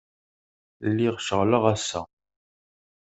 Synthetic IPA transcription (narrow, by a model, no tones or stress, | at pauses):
lːiʁʃəʁləʁæsːæ̰